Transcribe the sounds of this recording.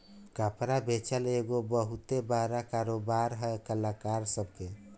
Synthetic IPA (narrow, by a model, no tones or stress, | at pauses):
kapɾabʱet͡ʃəleɡobəɦut̪ebaɾakaɾobaɾɦəkəlakaɾsəbke